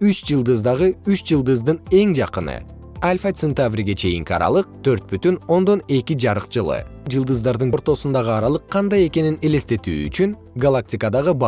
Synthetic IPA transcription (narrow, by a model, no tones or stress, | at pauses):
yt͡ʃd͡ʒɯlˠd̪ɯzd̪ɑʁɯyt͡ʃd͡ʒɯlˠd̪ɯzd̪ɯne̞ŋd͡ʒɑqɯnɯ̰ | alʲfat̪ʲsent̪avɾʲiɡe̞t͡ʃʰe̞jḭŋkʲɑ̰ɾɑ̰lˠɯq̚t̪ʰø̞ɾt̪̚byt̪yno̞nd̪o̞ne̞kʲid͡ʒɑɾɯqd͡ʒɯlˠɯ̰d͡ʒɯlˠd̪ɯzd̪ɑɾd̪ɯnoɾt̪o̞sund̪ɑʁɯɑɾɑlˠɯqʰːɑnd̪ɑje̞ke̞ninele̞st̪e̞t̪y̰ːy̰t͡ʃyn | ɡalˠak̚tʲɪkəd̪ɑʁɯbɑ